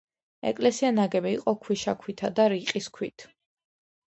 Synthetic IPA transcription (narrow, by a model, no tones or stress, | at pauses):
ɛ̰kʼlɛsianaɡɛbiiqʼɔkʰwiʃakʰwit̪ʰad̪aɾiqʼiskʰwḭt̪ʰ